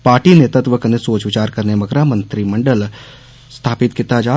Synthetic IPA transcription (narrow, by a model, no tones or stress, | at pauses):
paːɾʈinet̪ət̪ʋəknesoːt͡ʃʋɪt͡ʃaːɾkɐɾnemɐɡɾamɐ̃nt̪ɾimɐ̃ɳɖəl | st̪ʰaːpɪt̪kɪt̪ad͡ʒaː